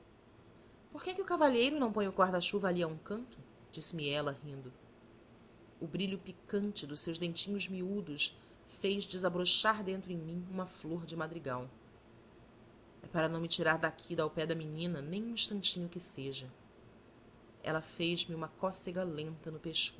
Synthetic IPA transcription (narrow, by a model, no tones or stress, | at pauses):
poɾkɛkɪʊkavaʎejɾʊnɐ̃w̃põɲ̃ʊkaɾd̪ɐʃuvɐaliɐũkɐ̃nt̪ʊ | d͡ʒisɪmiɛlɐɦĩnd̪ʊ | ʊbɾiʎʊpikɐ̃nt͡ʃɪd̪ʊʃsewʒd̪ẽnt͡ʃĩɲʊzmiud̪ʊs | fejzd͡ʒɪzabɾoʃaɾd̪ẽnt̪ɾʊẽmĩũmɐfloɾd͡ʒɪmad̪ɾiɡaw | ɛpaɾɐnɐ̃w̃mɪt͡ʃiɾaɾd̪akʰid̪awpɛd̪ɐmiɲĩnɐnẽj̃ũĩʃt̪ɐ̃nt͡ʃĩɲʊkɪseʒɐ | ɛ̰lɐfejʒmɪũmɐkɔseɡɐlẽnt̪ɐnʊpeʃkos